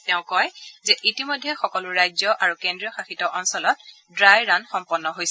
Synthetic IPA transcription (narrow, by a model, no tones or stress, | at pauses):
tɛʊ̃kɔjzɛʔitimojdʱːɛxɔkɔluɹajzjɔʔaɹukendɹijɔxaxitɔʔɔnsɔlɔt̚ | dɹajɹanxɔmpɔnːɔɦojsɛ